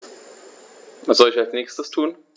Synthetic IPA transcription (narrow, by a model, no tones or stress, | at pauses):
asz̥ɔlɪçalsnɛːçstəstʰuːn